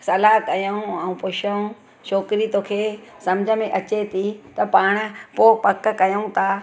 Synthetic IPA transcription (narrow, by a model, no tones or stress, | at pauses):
sɐlaːkɐjaũɐũpʊʃəũ | ʃoːkɪɾit̪oːkʰeːsɐmd͡ʑʱəmẽʔɐt͡ɕet̪ʰit̪ɐpaːɽ̃̆poːpɐkkɐjoũt̪ʰaː